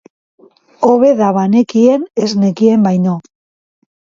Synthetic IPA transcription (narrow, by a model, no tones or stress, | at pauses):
oβe̞ðaβane̞kie̞nezne̞kie̞mbajno